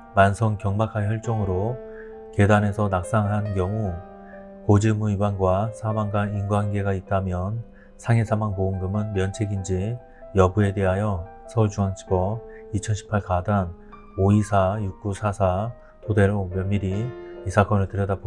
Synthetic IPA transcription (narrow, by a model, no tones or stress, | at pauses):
mansʰʌŋkjʌŋmakʰaɦjʌɭt͡ɕ͈oŋɯɾo | ke̞dane̞sʰʌnak̚s͈aŋɦankjʌŋu | kod͡ʑemuibwaŋɡwasʰamaŋɡainɡwanɡe̞ɡait̚t͈amjʌn | sʰaŋesʰamaŋpoɯŋɡɯmɯnmjʌnt͡ɕʰe̞ɡind͡ʑi | jʌbue̞de̞ɦajʌsʰʌd͡ʑuŋaŋt͡ɕʰi̥bʌit͡ɕʰʌnɕʰi̥pʰaɭkadan | oisʰajuk̚k͈usʰasʰa | tʰode̞ɾomjʌnmiɾiisʰak͈ʌnɯɭtɯɾjʌdabo